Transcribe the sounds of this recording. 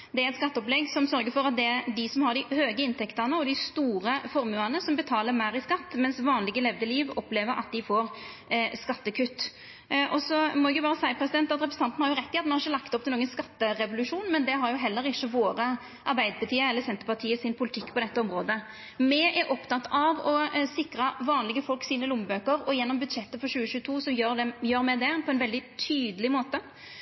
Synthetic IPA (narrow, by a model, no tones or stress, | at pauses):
d̪ɛæɾɛt̪skɑt̪ːɔplɛɡsɔmsœɾɡəfɔɾɑt̪̚d̪ɛd̪ɪsɔmhɑɾɖ̪ɪhøːɡəɪnt̪ʰɛkt̪ənəɔd̪ɪst̪uːɾəfɔɾmʉːɑnəsɔmbət̪ʰɑːləɾmæɪɾɪskɑt̪ːmɛnsʋɑːnlɪɡəlɛʋd̪əliːʋɔpleːʋəɾɑ̰t̪̚d̪ɪfoːɾ | skɑt̪ːəkʰʉt̪ː | ʔɔsɔmɔɛɡjʊbɑːʁəsæɪpʰɾɛsɪd̪ɛnt̪ɑt̪ɾɛpʰɾs̩ɑnt̪n̩hɑɾjʊɾɛt̪ːɪɑt̪mɛnɑɾɪçːəlɑkt̪ɔp̪̚ːɪloːɡənskɑt̪ːəɾɛʋʊlʉʂuːnmɛnd̪ɛɦɑɾjʊɦɛlːəɾɪçːəʋoːɾə | ʔɑɾbæɪd̪əɾpɑt̪ʰiːəɛlːəɾsɛnt̪əɾpɑt̪ʰiːəsɪnpʰʊlɪt̪ʰɪkːpʰɔd̪ɛt̪ːəɔmɾoːd̪ə | mɛʔæɾʔɔpt̪ɑt̪ːɑʋɔsɪkɾɑʋɑːnlɪɡəfɔlksiːnəlʊmbøːkəɾɔjɛnːɔmbʉd̪ʂɛt̪ːəfɔɾɕʉːəɕʉːət̪ʰuːsɔmjøːɾd̪ɛjøːɾmɛd̪ɛpʰɔɛnʋɛld̪ɪt̪ʰyːd̪əlɪmoːt̪ə